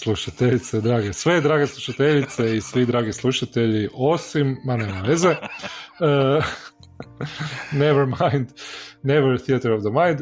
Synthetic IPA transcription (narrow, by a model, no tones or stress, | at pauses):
slˠuʃat̪eʎit̪sed̪ɾaːɡesʋe̞d̪ɾaːɡeslˠuʃat̪eʎit̪seisʋid̪ɾaːɡislˠuʃat̪e̞ʎiʔo̞simːanemaʋeze | ə | neʋɛɾmajnd̪neʋɛɾθiat̪əɾovd̪əmajnd̪